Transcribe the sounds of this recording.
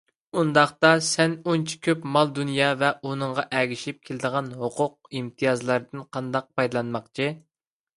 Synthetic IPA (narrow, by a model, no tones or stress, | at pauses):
und̪ɑχt̪ɑsɛnont͡ʃʰi̥kʲʰøpmɑlˠd̪unjɑːvɛunɨɴʁɑʔɛɡʲiʃip̚kʲʰelɪd̪əʁɑnɦoqʰʊq̚imt̪ʰijɑzlˠɑɾd̪ɨnqʰɑnd̪ɑq̚pʰɑjd̪lˠɑnmɑqt͡ʃʰi